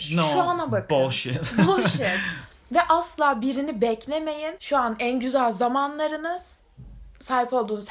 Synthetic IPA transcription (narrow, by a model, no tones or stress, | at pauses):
noʃuanabakʰboʃinboʃn | vɛʔaslˠaːbiɾinibɛclʲeme̞jinʃuanænɟyzælʲzamanlˠaɾɯnɯz̥ | saːjipʰo̞lˠd̪uːnuz